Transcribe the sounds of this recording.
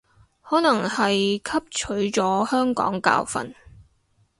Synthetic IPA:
hɔː˨˥nɐ˨˩ŋhɐ˨jkʰɐ˥p̚t͡ʃʰɵ˨˥ɥt͡sɔː˨˥hœː˥ŋkɔ̰ː˨˥ŋka̰ː˧wfɐ̰˨n

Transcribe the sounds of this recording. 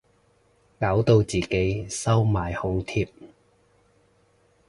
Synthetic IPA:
kaː˨˥wt̪o˧wt͡siː˨ke˨˥jsɐ˥wmaː˨jhʊ˨˧ŋt̪ʰiː˧p̚

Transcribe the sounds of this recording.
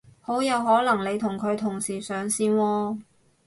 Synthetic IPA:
ho˨˥wjɐ˨˧wɦɔː˨˥lɐ˨˩ŋle˨˧jt̪ʰʊ˨˩ŋkʰɵ˨˧ɥt̪ʰʊ˨˩ŋsiː˨˩sœː˨˥ŋsiː˥nwɔː˥˧

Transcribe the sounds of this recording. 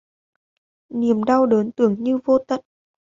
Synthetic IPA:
ni˨˩əmɗa˧wɗəː˨˦nt̪ɨ˧˩əŋɲɨ˧vo˧t̪ə̰˨t̚

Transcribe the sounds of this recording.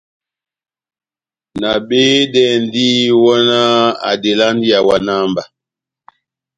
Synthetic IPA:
na˨be˦dɛ˦˨n˦di˦wɔ˦na˦a̰˨de˨la˦n˦di˦a˨wa˨na˦mba˨

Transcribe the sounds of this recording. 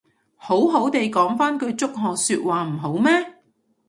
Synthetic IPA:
ho˨˥wɦo˨˥wt̪e˨jkɔː˨˥ŋfaː˥nkʰɵ˨˧ɥt͡sʊ˥k̚ɦɔː˨syː˧t̚waː˨m̩˨˩ɦo˨˥wmɛː˥

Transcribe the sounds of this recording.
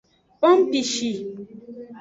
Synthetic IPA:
bɔ˦m̩˦bi˨ʃi˨

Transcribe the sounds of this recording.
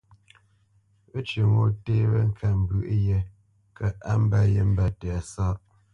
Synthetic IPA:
ə˦t͡ʃə˨ŋo˨teː˦bə˦ŋ̩˦kʰa˨m̩˨bʉ˦ʔjə˨ | kʰə˨ʔa˦m̩˦ba˦jə˦m̩˦ba˦tɛ˨a˨sa˦ʔ

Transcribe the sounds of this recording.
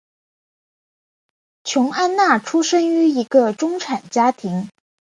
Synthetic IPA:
t͡ɕʰjʊ˧˥ŋa˥nna˥˩ʈ͡ʂʰu˥ʂə˥ŋy˧˥i˧˥ɡə˧ʈ͡ʂʊ˥ŋʈ͡ʂʰa˨˩nt͡ɕja˥t̪ʰi˧˥ŋ

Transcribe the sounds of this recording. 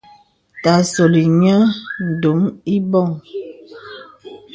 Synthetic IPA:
ta˨sɔ˨li˨ɲa˦n̩˨do˨˦mi˦bɔ˦˨ŋ

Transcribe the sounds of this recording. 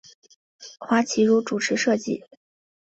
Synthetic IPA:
xwa˧˥t͡ɕʰi˧˥ɻu˧˥ʈ͡ʂu˨˩ʈ͡ʂʰɻ̩˧˥ʂɤ˥˧t͡ɕḭ˥˩

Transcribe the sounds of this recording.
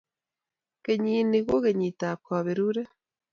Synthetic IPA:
ke˨ɲiː˦ni˨ɣo˦ɣe˨ɲi˨ta˨kɔ˨βe˨ɾu˦ɾe˦

